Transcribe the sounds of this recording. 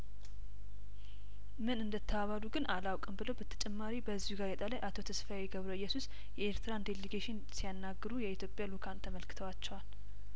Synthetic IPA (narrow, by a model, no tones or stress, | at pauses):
mɨnɨnd̪ət̪ʰːəaβaluɡɨnʔalawkʼɨmbɨləwbət̪ʰːə̥t͡ʃʼɛmːaɾibəzːihuɡajɛt̪ʼalajʔat̪ʰo̞t̪ʰəsfajeɡəβɾoɨjːɛsus | jɛeɾt̪ʰɨɾand̪eleɡeʃɪn | sijanːaɡːɨɾujɛit̪ʰjo̞pʼjalukʰant̪ʰəməlkʰɨ̥t̪ʰəwat͡ʃːɛwal